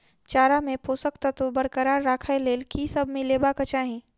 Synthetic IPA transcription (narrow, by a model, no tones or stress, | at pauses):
t͡ʃaːɾamẽpoːsəkt̪at̪obəɾkəɾaːɾːaːkʰaeleːlkisɐbmẽleːbakət͡ʃaːɦĩ